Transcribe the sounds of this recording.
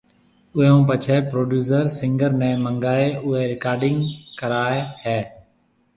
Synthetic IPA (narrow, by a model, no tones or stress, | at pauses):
ʊɦõːp̬ət͡ʃʰɛːpɾoːɖjuːs̬əɾsɪ̃ŋɡəɾnɛ̃ːmə̃ŋɡaːeːʊɦeːɾɪkaːɾɖɪŋɡkəɾaːehɛː